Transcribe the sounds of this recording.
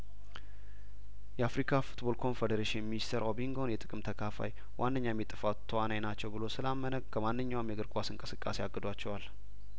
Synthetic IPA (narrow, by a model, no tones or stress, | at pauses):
jɛafɾikʰafu̥t̪bo̞lkʰo̞nfed̪əɾeʃinminist̪ʰəɾʔobiŋɡo̞njɛt̪ʼɨkʼɨmt̪ʰəkʰafa̰j | wʔanːəɲːajmːit̪ʼɨfawt̪ʰːəwanajnat͡ʃːɛwbɨlo̞sɨlamːənəɡkʰəmanːɨɲːawmjɛɡɨɾkʼasɨŋkʼɨsɨkʼːa̰seaɡːɨd̪at͡ʃːɛwal